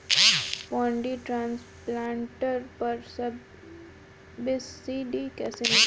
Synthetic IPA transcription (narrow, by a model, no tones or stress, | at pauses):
pɔ̃ːɳɖiʈɾãːns | plãːɳʈəɾpɐɾsɐb | ʋɪsːiːɖikɛːsenɪ